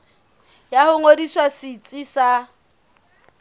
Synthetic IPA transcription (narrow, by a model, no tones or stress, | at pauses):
jahʊŋodiswasɪt͡sʼɪsa